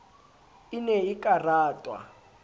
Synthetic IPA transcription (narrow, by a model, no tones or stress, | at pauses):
inɛikʼaraːtʼwa̰